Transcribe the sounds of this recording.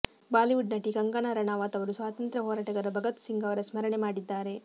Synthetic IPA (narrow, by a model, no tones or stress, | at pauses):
baːliʋuɖnɐʈiɡɐŋɡanɐɾɐɳaːʋaːt̪ɐʋɐɾusʋaːt̪ɐnt̪ɾɐɦɔːɾaːʈɐɡɐɾɐbʱɐɡɐt̪siŋɡɐʋɐɾɐsmɐɾɐɳemaːɽid̪ːaːɾe